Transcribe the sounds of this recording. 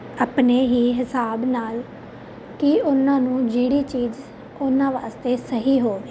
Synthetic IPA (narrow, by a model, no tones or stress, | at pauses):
əpneːɦiːɦɪsaːbnaːl | kiːʊnãːnũːd͡ʒiːɽiːt͡ʃiːd͡ʒ | ʊnãːʋa̰ːst̪eːsəɦiːɦoːʋeː